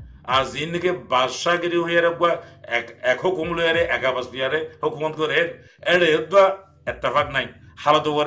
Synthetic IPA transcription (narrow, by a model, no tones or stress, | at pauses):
aɾzinːikebaɾsaɡeɾiɦojaɾeɡuwaɛkɛkhokumlojaɾeʔɛkabasd̪ijaɾehokumɔt̪kɔɾe | ɛɽejed̪ua | ɛt̪ːefaknajhalɔt̪ɔkɔɾ